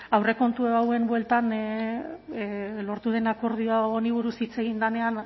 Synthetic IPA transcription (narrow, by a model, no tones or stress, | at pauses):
awre̞ko̞nt̪ueβawe̞mbwe̞lt̪an | lo̞ɾt̪uðe̞nako̞ɾðioaoniβ̞uɾusit͡se̞ɣ̞ind̪ane̞an